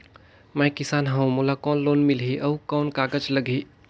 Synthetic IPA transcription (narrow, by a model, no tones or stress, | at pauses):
mɛːkɪsaːnɦɐũmolakɔːnloːnmɪlɦiʔɐukɔːnkaːɡəd͡ʒləɡʱiː